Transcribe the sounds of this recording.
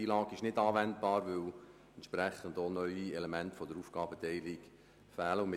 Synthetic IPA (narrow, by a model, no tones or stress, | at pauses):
iːlɑːɡ̥əɪʃnɪdɑːʋɛndb̥ɑːɾʋʏw | ɛntʃpræχəndonœʏiɛlemæntfɔdəɾuːfɡ̥ɑːbətɛɪliɡ | fæːləʊm